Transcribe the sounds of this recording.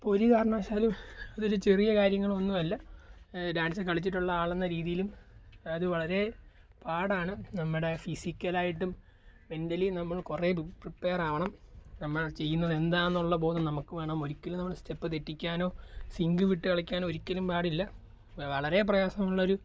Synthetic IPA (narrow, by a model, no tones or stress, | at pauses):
poɾikaːrɐɳaːɕaːlumɐðoɾut͡ɕe̞rijɐkaːɾjɐŋːɐɭɐnːumɐlːɐ | ɖaːnsɨkɐɭit͡ɕːiʈːuɭːɐaːɭenːɐɾiːðijilumɐðɨʋɐɭɐɾe̞ | paːɽaːɳɨnɐmːɨɽe̞fisikʲːɐlaːjiʈːum | me̞ndɐlinɐmːɐɭkure̞pripːe̞ːraːʋɐɳɐmnɐmːɐɭt͡ɕe̞jːunːɐðe̞nd̪aːenːuɭːɐbo̞ːnɐnɐmukːɨʋeːɳaːmo̞ɾikʲːɐlumnɐmːɐɭste̞pːɨt̪eʈːikʲːaːno̞ːsiŋɡɨʋiʈːɨkɐɭɐkʲːaːnoːoɾikʲːɐlumpaːɽilːɐ | ʋɐɭɐɾe̞p̬rɐjaːsɐmuɭːɐo̞ɾu